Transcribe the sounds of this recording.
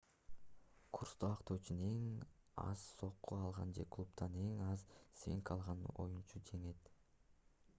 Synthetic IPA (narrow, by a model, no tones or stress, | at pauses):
kʰurst̪oɑqt̪o̞wt͡ʃune̞ŋɑ̰z̥so̞qːuɑlˠʁɑnd͡ʒe̞klˠupt̪ɑne̞ŋɑzseŋkɑlˠʁɑno̞̰junt͡ʃʰud͡ʒe̞ŋet̪